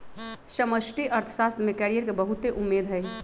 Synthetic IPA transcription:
səməsʈiʔəɾt̪ʰə̥sast̪mekɛɾijəɾkebəɦut̪eʔumːed̪ʱɦəj

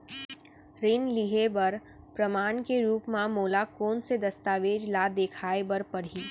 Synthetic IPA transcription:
ɾɪnliɦebɐɾ | pɾɐmaːnkeɾuːpmãmoːlakɔːnsed̪ɐst̪aːʋeːd͡ʒlaːd̪eːkʰaːebɐɾpɐɽ̤iː

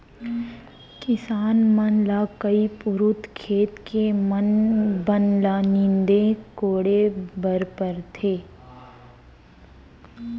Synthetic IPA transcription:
kɪsaːnmənlakəipʊɾʊt̪kʰeːt̪kemənbənlanɪ̃nd̪ekoːɽebəɾpəɾt̪ʰeː

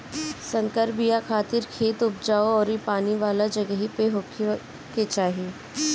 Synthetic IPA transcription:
sɐ̃ŋkəɾbijakʰaːt̪ɪɾkʰeːt̪ʊpd͡ʒaːoɔːɾipaːniʋaːlad͡ʒɐɡəɦipeɦokʰ | ket͡ʃaːɦieː

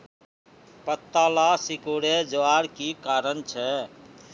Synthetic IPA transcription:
pət̪ːalasikoɽed͡ʒəaɾkikaɾənt͡ʃʰɛ

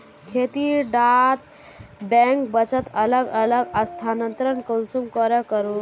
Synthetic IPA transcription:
kʰet̪iɖat̪̚ | bɛ̃ŋkbət͡ʃət̪ələɡələɡəst̪ʰanənt̪ɾənkolsumkɔɾekəɾu

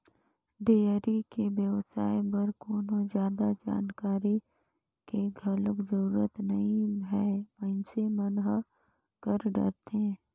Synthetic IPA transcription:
ɖeːəɾikebjəʋsaːebɐɾkoːnozjaːd̪ad͡ʒa̰ːnkaːɾi | keɡʱələkd͡ʒəɾuːɾət̪nɐɦĩɦɛʋə̃semənɦə | kəɾɖə̰ɾt̪ɦẽː

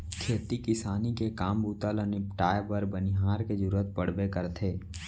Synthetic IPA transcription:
kʰeːt̪ikɪsaːnikekaːmbuːt̪aləniʈaːjbəɾbənɪɦaːɾked͡ʒʊɾuːət̪̚pəɽ̤bekəɾt̪ʰeː

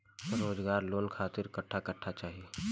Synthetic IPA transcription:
ɾoːd͡ʒɡaːɾloːnkʰaːt̪ɪɾkəʈʰːakɐʈʰːat͡ʃaːɦie

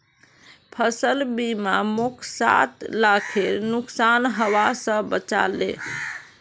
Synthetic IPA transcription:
pʰəsəlbimamukʰsa̰t̪lakʰeɾnuksanɦəʋasə̃bət͡ʃa̰lːḛ̃

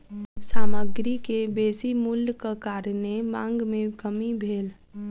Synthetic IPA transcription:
saːməɡɾikebeːsimulːkəkaːɾnemã̰ŋɡmẽkəmibʱeːl

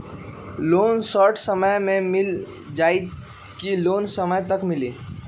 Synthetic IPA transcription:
loːnsɔːɾʈʰsəməjmẽmɪl | d͡ʒaːi | kiloːnsəməjt̪əkmɪliː

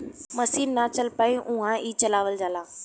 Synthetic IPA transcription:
mɐsiːnːat͡ɕɐlpaːĩʔʊ̃ɦãiːt͡ɕɐlaːʋəld͡ʑaːlãː

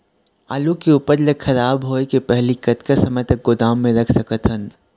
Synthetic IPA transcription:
aːlukeuːpəɾləxɐɾaːbɦoːekepɛɦlikɐt̪kasɐməjt̪ɐk̚ɡʊd̪aːmːẽɾɐkʰsɐkət̪ɦən

